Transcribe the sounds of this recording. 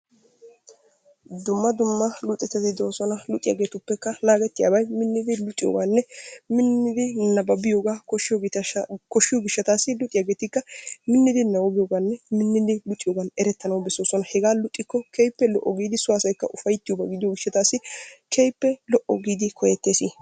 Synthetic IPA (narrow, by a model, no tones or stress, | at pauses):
d̪ʊmːɐd̪ʊmːɐlʊt̪ʼːɛt̪ːɐt̪ɪd̪o̞ːsɔnɐlʊt̪ʼɪja̰ɡeːt̪ʊpːɛkːɐnaːɡɛt̪ːɪja̰ːbɐjmɪnːɪd̪ɪlʊt̪ʼɪjo̰ɡaːnːɛmɪnːɪd̪ɪnɐbɐbɪjoːɡaːkɔʃɪoɡ̪kɔʃːɪjoɡɪʃːɐt̪aːsːɪlʊt̪ʼɪjaɡeːt̪ɪkːɐmɪnːɪd̪ɪnɐwɔbɪjoːɡaːnːɛmɪnːɪd̪ɪlʊt̪ʼɪjoːɡanɛɾɛt̪ːɐnɐwbɛsoːsɔnɐhɛɡaːlʊt̪ʼːɪkːɔkʰejpːɛlɔʔɔɡiːd̪ɪsʊwaːsɐjkːɐʔʊfɐjt̪ːɪjobɐɡɪd̪ɪjoɡɪʃːɐt̪aːsːɪkʰejpːɛlɔʔɔɡiːd̪ɪkʰɔjɛt̪ːeːsi